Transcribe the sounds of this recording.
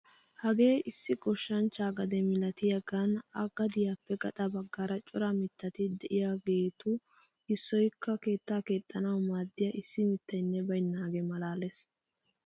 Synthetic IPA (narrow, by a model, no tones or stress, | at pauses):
hɐɡe̞ːʔɪsːɪɡɔʃːɐnt͡ʃːaːɡɐd̪ɛmɪlɐt̪ɪjɐɡɐnɐɡɐd̪ɪjaːpːɛɡɐt̪ʼɐbɐɡːaːɾɐt͡ʃʼʊɾɐmɪt̪ːɐt̪ɪd̪ɛʔɪjaɡe̞ːt̪ʊ | hɪsːɔjkʰːɐke̞ːt̪ːaːke̞ːt̪ʼːɐnɐwmaːd̪ːɪjaʔɪsːɪmɪt̪ːɐjnːɛbɐjnːaːɡɛmɐlaːles